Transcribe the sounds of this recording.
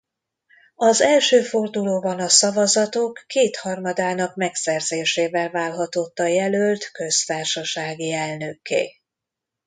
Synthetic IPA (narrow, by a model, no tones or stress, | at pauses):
ɒzɛlʃøːfo̞rd̪uloːbɒnɒsɒvɒzɒt̪o̞kːeːt̪hɒrmɒd̪aːnɒkmɛksɛrzeːʃeːvɛlvaːlɦɒt̪o̞t̪ːɒjɛlølt̪kø̞st̪aːrʃɒʃaːɡiɛlnø̞kḛː